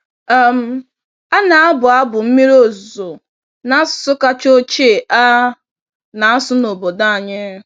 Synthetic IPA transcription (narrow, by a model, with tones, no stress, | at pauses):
a˨m̩˦ | a˦na˨a˦bʊ˨a˦bʊ˨m̩˦mi˦ɾo˦˨zzo˨ | nḁ˨˦˨sʊ˦ka˦t͡ʃo˦t͡ʃe˦e˨ʔa˦ | na˨a˦sʊ˦no˨bo˨da˦a˨ɲe˦